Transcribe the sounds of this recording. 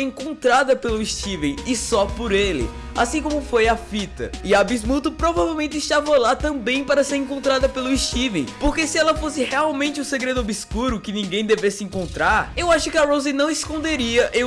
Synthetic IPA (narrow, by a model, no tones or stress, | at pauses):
ẽkõnt̪ɾad̪ɐpelʊiʃt͡ʃivẽj̃ɪsɔpoɾelɪ̰ | a̰sĩkõmʊfojɐfit̪ɐ̰ɪabizmut̪ʊpɾovavewmẽnt͡ʃ̪ɪist̪avɐlat̪ɐ̃bẽj̃paɾɐseɾẽŋkõnt̪ɾad̪ɐpelʊiʃt͡ʃivẽj̃poɾkesɪɛlɐfosɪheawmẽnt͡ʃɪũseɡɾed̪ʊobiskuɾʊkɪnĩɡẽj̃d̪evesɪẽŋkõnt̪ɾaɾewaʃʊkɪɐɾowzinɐ̃w̃iskõnd̪eɾiɐʔe